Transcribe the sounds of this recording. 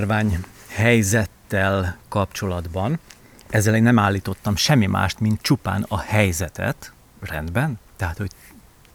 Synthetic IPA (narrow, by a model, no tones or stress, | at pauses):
rvaːɲhɛjzɛt̪ːɛlkɒp̚t͡ʃo̞lɒd̪bɒn | ɛzːɛleːnɛmaːlːiːt̪o̞t̪ːɒmʃɛmːimʔa̰ːʃt̪mint̪̚t͡ʃupa̰ːnɒhɛjzɛt̪ɛ̰t̪ | rɛ̰nd̪bɛnt̪ɛɦat̪ho̞ɟ